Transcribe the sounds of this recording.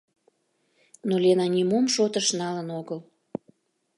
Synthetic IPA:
nolʲenɑnʲimomʃot̪əʃnɑlənoɣəl

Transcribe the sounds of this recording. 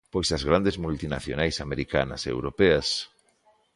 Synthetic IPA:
pojsɐzɣɾand̪ezmult̪ina̰θjonajsameɾika̰nɐ̰sḛwɾopeɐs

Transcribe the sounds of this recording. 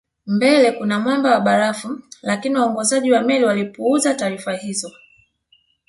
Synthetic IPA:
mbɛlɛkunamwambawaɓaɾafulakiniwaɔŋɡɔzaʄiwamɛliwalipuuzataːɾifahizɔ

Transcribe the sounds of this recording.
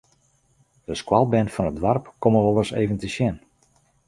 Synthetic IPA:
d̥əskwalˠbɛnfɔnədʋarpkoməʋɔlˠərsḛjvəntəsjɛn

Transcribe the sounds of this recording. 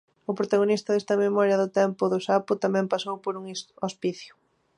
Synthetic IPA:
ʊpɾot̪aɣonist̪ɐðest̪ɐmemɔɾjɐðʊt̪ɛmpʊðʊsapʊt̪amɛ̃mpasowpoɾuŋospiθjʊ

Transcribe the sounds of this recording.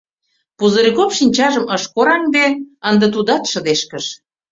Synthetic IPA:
puzə̆ɾikopʃinʲt͡ɕɑʒəməʃkoɾɑŋd̪eənd̪ə̆t̪ud̪ɑt̪ʃə̆d̪eʃkəʃ

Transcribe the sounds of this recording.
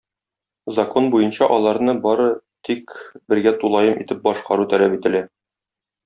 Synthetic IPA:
zɐkonbujɤnɕɑʔɒlˠɑɾnɤbɒɾɤt̪ikbɘ̆ɾɡæt̪ulˠɑjɤmʔḭt̪ɘp̚bɒʃqɑ̰ɾut̪ælæpit̪ɘ̆læ

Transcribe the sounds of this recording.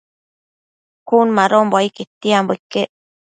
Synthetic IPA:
kuːnmaɾoːmboiket̪ːiamboikːe

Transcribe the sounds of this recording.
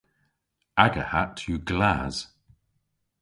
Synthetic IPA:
aɡəhatʰjuɡlaz̥

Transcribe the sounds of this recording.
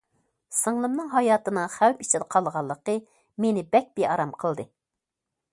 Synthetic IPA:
sɨŋlˠɨmnɨŋɦɑjɑːt̪ɨnɨχæwpit͡ʃʰɪd̪əqʰɑlˠʁɑlˠːəqə | menɪbɛk̚ʲbeɑɾɑmqʰəlˠd̪ɨ

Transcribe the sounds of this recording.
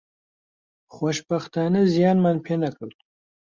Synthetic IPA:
xoʃpaxt̪ɑːnezjɑːnmanpʰenakəl

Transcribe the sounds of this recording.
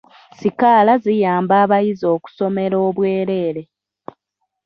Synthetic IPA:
sikaːlazijaːmbaːβajizo̞ːku̥so̞me̞ɾo̞ːβwe̞ːɾe̞ːɾe̞

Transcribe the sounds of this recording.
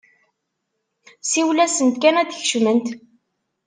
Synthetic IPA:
siwlæsənt̪kænæðçʃmənt̪

